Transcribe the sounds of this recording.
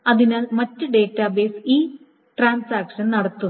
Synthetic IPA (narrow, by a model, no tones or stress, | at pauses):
ɐðinaːlmɐtːɨɖe̞ːtːɐbe̞ːsiː | ʈraːnsaːkʂɐnnɐɽɐt̪ːu